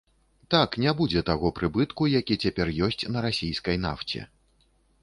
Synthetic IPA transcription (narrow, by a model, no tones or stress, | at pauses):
t̪aknʲabud͡zʲɛt̪aɣɔpɾɨbɨt̪kujakʲit͡sʲapʲɛrjɔsʲt͡sʲnɐɾasʲijskɐjn̪a̰ft͡sʲɛ̰